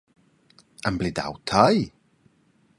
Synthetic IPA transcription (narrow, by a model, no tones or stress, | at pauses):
ənblɪda̰wtʰaj